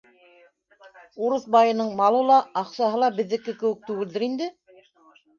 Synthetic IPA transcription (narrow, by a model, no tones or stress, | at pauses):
uɾɤθbɑjɤ̆nɤɴmɑlˠɤ̆lˠɑːqsɑɦɤlˠɑbɘ̆ðːɘ̆kɘkɘ̆wɘk̚t̪ʉɡɘ̆ld̪ɘɾind̪ɘ